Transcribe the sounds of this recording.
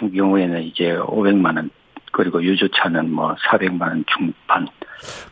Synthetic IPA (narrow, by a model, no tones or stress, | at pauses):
tʰuŋkjʌŋue̞nɯnid͡ʑe̞o̰be̞ŋmanɯn | kɯɾiɡojud͡ʑot͡ɕʰanɯnmwʌsʰabe̞ŋmanʌnt͡ɕuŋpʰan